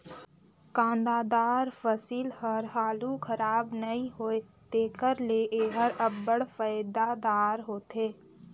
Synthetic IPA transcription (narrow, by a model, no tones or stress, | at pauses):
kãːnd̪aːd̪aːɾfəsiːlhəɾɦaːlukʰəɾaːbnəĩɦoːe | t̪eːkəɾleʔeːɦəɾəbːəɽfəjd̪ad̪aːɾɦoːt̪eː